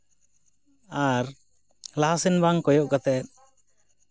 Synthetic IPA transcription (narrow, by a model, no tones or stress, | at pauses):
aɾ | laɦasɛnbaŋkɔjɔʔkat̪ɛt̪̚ˀ